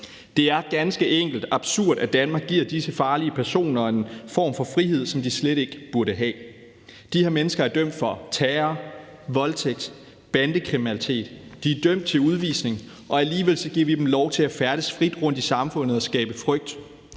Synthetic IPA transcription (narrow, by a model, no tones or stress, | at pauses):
d̥e̝æɐɡ̥ænsɡ̥əʔeŋ̰ɡ̥l̩d̥ɑ̈b̥suɐ̰d̥æd̥ænmɑ̈ːɡ̥iɐ̰d̥isəfɑ̈ːliəpʰæɐso̝̰ːnɐɒe̝nfɒ̰ːmfɒ̽fʁiɦe̝ð̞̰ˠsɒ̽md̥isleɾe̝ɡ̥b̥uɐɾəɦɛ̰ː | d̥iheɐmenəsɡ̥ɐæɐd̥œm̰d̥fɒ̽t͡sʰɛːɐ | ʋɒ̽lt͡sʰeɡ̥̚d̥ | b̥ænd̥əkʰʁiminælit͡sʰe̝̰ːd̥d̥iæɐd̥øm̰d̥̚t͡sʰe̝luðˠʋḭːsne̝ŋ | ʔɒ̽æliːʋe̝l̰sɒ̽ɡ̥iɐ̰ʋid̥em̩lɒʊt͡sʰe̝æfæɐɾ̥əsfʁid̥ʁɔ̽n̰d̥isɑ̈mfɔ̽n̰ð̩ˠɒ̽sɡ̥ɛ̰ːb̥əfʁœɡ̥̚d̥